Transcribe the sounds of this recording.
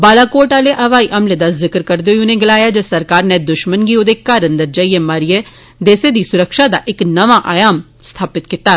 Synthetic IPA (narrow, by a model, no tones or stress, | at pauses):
baːlaːkoːʈaːleʔɐʋaːiʔɐmled̪azɪkəɾkəɾd̪eoiʊnẽɡɪlaːjaːd͡ʒesəɾkaːɾneːd̪ʊʃmənɡiːoːd̪eːkaːɾə̃nd̪əɾd͡ʒaːiːeːmaːɾije | d̪eːsed̪iːsʊɾəkʃaːd̪aːʔɪknəʋaːʔaːjaːm | st̪ʰaːpɪt̪kɪt̪aː